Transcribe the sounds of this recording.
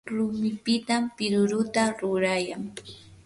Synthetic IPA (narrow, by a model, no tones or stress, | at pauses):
ɾʊmɪpɪt̪ampɪɾʊɾʊt̪aɾʊɾajaŋ